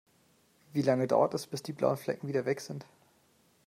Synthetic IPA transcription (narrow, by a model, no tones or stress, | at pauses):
viːlaŋəda̰ʊɐtɛsb̥ɪsd̥iːbla̰ʊənflɛ̰kŋ̩viːdɐvɛkz̥ɪnt